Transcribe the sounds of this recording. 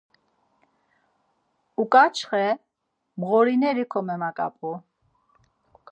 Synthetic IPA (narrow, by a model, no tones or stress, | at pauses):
ukʼat͡ʃʰχɛ | mʁɔɾinɛɾikʰɔmɛmakʼa̰pʼu